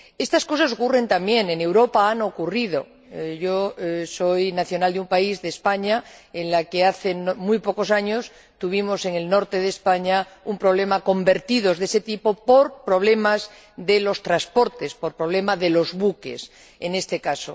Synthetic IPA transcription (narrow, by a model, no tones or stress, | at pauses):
e̞st̪asko̞sas̬okure̞nt̪ambjẽ̞ŋẽne̞wɾopaano̞kurið̞o̞̰ | ʝo̞so̞jnaθjo̞nald̪eumpaizðespaɲaenlakeaθe̞nmujpo̞ko̞saɲo̞s | t̪uβ̞imo̞se̞ŋe̞lno̞ɾt̪e̞ðespaɲaumpɾoβ̞le̞mako̞mbe̞ɾt̪iðo̞zðese̞t̪ipo̞poɾpɾo̞β̞le̞maz | ðelo̞st̪ɾaspo̞ɾt̪e̞spo̞ɾpɾo̞β̞le̞maðe̞lo̞zβuke̞̰s | ene̞st̪e̞kaso̰